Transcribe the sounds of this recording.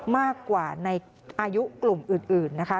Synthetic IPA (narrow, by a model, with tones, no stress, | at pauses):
maː˥˩kːwaː˨˩na˧j | ʔaː˧ju˦˥ʔklu˨˩mʔɯː˨˩nʔɯː˨˩nːa˦˥kʰa˦˥